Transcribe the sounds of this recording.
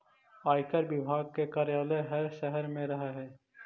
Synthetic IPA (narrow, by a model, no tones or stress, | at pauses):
aːjkəɾbɪbʱaːɡ̚kekaːɾjaːleɦəɾʃəɦəɾmẽɾɐɦaɦɛː